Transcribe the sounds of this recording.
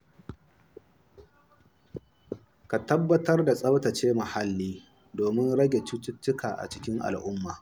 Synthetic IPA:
ka˨tɐ˦bːɐ˦tɐ˦rda˨sʼɐ˦wtɐ˨t͡ʃeː˦ma˨ha˦lːiː˦ | doː˨mɪ˦nɽɐ˦ɡʲe˨t͡ʃɪ˦tʊ˦tːʊ˦kaː˨ʔa̰˨t͡ʃɪ˦kʲɪ˦ŋʔa̰˨lʔʊ˦mːaː˨

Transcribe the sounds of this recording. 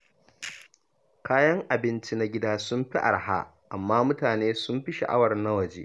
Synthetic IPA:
kaː˦jɐ˦ŋʔa˨bɪ˦nt͡ʃi˦na˦ɡʲɪ˦daː˦sʊ˦mɸi˦ʔa̰˨rɦa̰˦ʔa˨mːaː˦mʊ˦taː˨neː˦sʊ˦mɸi˦ʃɐ̰˨ʔa̰˦wɐ˨rna˦wɐ˨d͡ʒeː˦

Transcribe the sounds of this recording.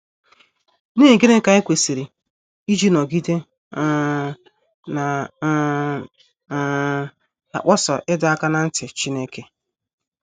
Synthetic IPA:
ne˦˨ɡe˦ɾe˦ka˨e˦kʷe˨si˨ɾi˨ | i˦d͡ʒi˦nɔ˨ɡi˦de˦ | na˨˦˨ | a̰˨k͡pɔ˦sɔ˨ʔɪ˦da˨˦a˦ka˦na˨n̩˦tɪ˨t͡ʃi˦ne˦ke˦

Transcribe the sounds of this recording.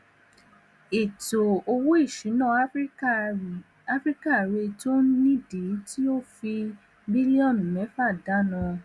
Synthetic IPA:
e˨to˨o˧wu˦i˦˨ʃĩ˨˦nã˦ | a˦fɾi˦ka˦˨ɾe˧to˦nĩ˦de˨˦ti˦o˦fi˧ | bi˦li˦ɔ̃˦˨n˨mɛ˨˦fa˦˨da˨˦nã˧

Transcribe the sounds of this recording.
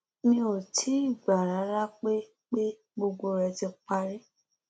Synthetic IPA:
nĩ˧˦o˨tʰi˨˦i˦˨ba˨ɾa˨˦ɾa˦k͡pe˦ | k͡pe˦ | ɡ͡bo˧ɡ͡bo˧ɾɛ˧tĩ˧k͡pa˧ɾi˦

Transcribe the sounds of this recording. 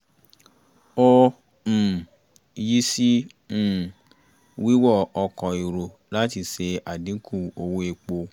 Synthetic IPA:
o˧˨ | ji˦sĩ˦˨ | wi˦wɔ˦˨ɔ˧kɔ̃˨i˨ɾo˨ | la˦ti˧˨se˧a˨dĩ˨˦kʰũ˦˨o˧wu˧˦e˧k͡po˧

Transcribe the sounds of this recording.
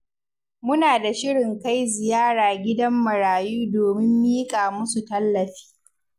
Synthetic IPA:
mʊ˦naː˨da˨ʃɪ˦ɽɪ˨ŋka˦jzɪ˨jaː˦ɽaː˨ɡʲɪ˦dɐ˦mːɐ˨ɽaː˨juː˦doː˨mɪ˦mːiː˦kʼaː˨mʊ˦su˨tɐ˦lːɐ˨ɸi̥ː˦

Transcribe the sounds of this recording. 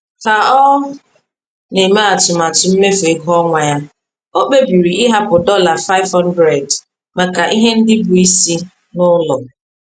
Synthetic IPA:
ka˨ɔ˦ | ne˨ma˦a˨tʊ˨ma˨tʊ˨m̩˦me˦fe˨ɡɔ˦ŋʷa˨ja˦ | o˦k͡pe˦bi˨ɾi˨ɪ˦ɦa˦pʊ˨dɔ˦la˨fa˦ɪ˦vɦɔ˦n˦dɾe˨d | ma˨ka˨ʔi˦ɦe˦n̩˦dɪ˦bu˨i˦si˦ | nʊ˦lɔ˨

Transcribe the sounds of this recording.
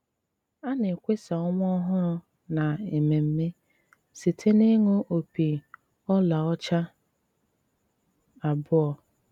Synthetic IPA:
a˦ne˨kʷe˦sa˨ɔ˦m˦ɔ˦ɔ˦ɦʊ˦ɾʊ˦ | na˨e˨me˨m̩˦me˦ | si˨tʰe˦ne˦ŋo˦ʔo˨pi˨ | ɔ˦la˨ɔ˦t͡ʃa˦ | a˨bʊ˦ɔ˦

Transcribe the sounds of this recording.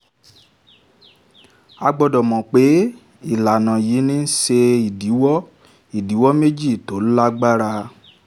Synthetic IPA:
a˧ɡ͡bɔ˧dɔ˨mɔ̃˨k͡pe˨˦ | i˦˨la˨nã˨ji˨˦nĩ˦n̩˦ʃe˧i˨di˨˦wɔ˦ | i˨di˨˦wɔ˦me˦d͡ʒi˦˨to˨˦la˦ɡ͡ba˦ɾa˧

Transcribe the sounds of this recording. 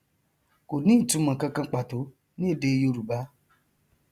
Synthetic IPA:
ko˨nĩ˦˨tũ˨˦mã˨kã˧kã˧k͡pa˨to˨˦ | nĩ˦e˦˨de˧jo˧ɾu˨ba˦

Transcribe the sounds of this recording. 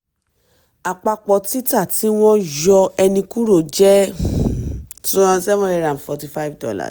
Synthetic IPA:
a˨k͡pa˧k͡pɔ˨ti˦ta˦˨ti˨˦w̃ɔ̃˦jɔ˧ɛ˧nĩ˧ku˦ɾo˦˨d͡ʒɛ˦ | tu˦ã˧sɛ˦w̃ɔ̃˦ɾɛ˧˦˨ɾã˨fɔ˨ti˦fa˦i˦vdɔ̰˦la̰˨

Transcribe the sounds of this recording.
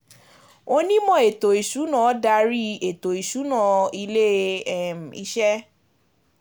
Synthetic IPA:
o˧nĩ˦mɔ̃˦˨e˨to˨i˨ʃu˨˦nã˨˦da˧ɾi˦e˨to˨i˨ʃu˨˦nã˦˨i˧le˦˨m̩˨ḭ˧ʃɛ˦

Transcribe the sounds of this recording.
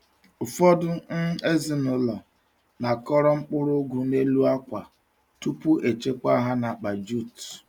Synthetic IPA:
ʊ˨fɔ˦dʊ˦n̩˦e˦zi˨nʊ˨lɔ˨ | na˨kɔ˦ɾɔ˦ŋ͡m̩˦k͡pʊ˦ɾʊ˦ɡʷu˨ne˦lu˦a˦kʷa˨ | tu˦pu˦ʔe˨t͡ʃe˦kʷa˦ɦa˦na˨k͡pa˨d͡ʒu˦˨t

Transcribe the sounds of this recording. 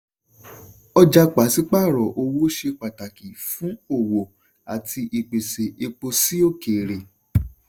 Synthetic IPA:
ɔ˧d͡ʒa˧k͡pa˨˦si˦k͡pa˦˨ɾɔ˨ʔo˧wo˦ʃe˧k͡pa˨ta˨ki˨fũ˨˦o˦˨wo˨ | a˨tʰi˧ʔi˨k͡pe˨se˨ʔe˧k͡po˧si˦o˦˨ke˨ɾe˨

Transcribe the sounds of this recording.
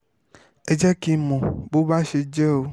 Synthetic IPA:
e˦d͡ʒɛ˦ki˨mɔ̃˨bo˦ba˦ʃe˦d͡ʒɛ˦wo˦

